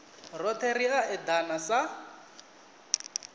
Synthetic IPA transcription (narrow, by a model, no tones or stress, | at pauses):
rɔt̪ʰeɾiaʔɛd̪anasa